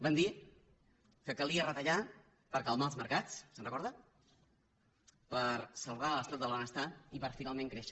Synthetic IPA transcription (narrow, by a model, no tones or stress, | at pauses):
band̪i | kəkəlˠiərət̪əʎa | pəɾkəlˠmaəlˠzməɾkat͡ssənrəkɔɾðə | pəɾsəlˠβ̞aləst̪at̪̚d̪əlˠβənəst̪aipəɾfinalˠmẽŋkɾeʃə